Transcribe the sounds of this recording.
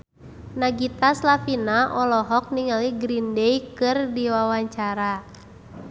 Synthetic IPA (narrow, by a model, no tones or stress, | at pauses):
naɡit̪aslafinaʔɔlɔɦɔk̚niŋaliɡɾindɛjkɨrdiwawaɲt͡ʃaɾa